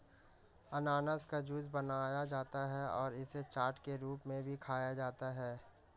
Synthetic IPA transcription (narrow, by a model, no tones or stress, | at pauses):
ɐnaːnəskad͡ʒʊzbɐnaːjad͡ʒaːt̪aɦɛɔːɾɪset͡ʃaːɾʈkeɾuːpmẽbʱikʰaːjad͡ʒaːt̪aɦɛː